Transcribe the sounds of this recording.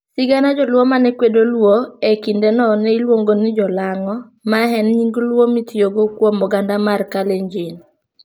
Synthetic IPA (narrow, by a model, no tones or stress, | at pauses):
sɪɡanad͡ʒɔlwomanɛkwedolwoekindɛnɔnɛilwoŋɡonɪd͡ʒɔlaŋɔ | maɦɛnɲiŋɡlwomitjoɡokwomɔɡandamarkaleɲd͡ʒin